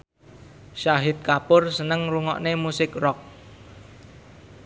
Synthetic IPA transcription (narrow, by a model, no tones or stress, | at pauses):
ʃaɦɪt̪̚kapʊrsənəŋruŋɔ̰ʔnemusɪkrɔk̚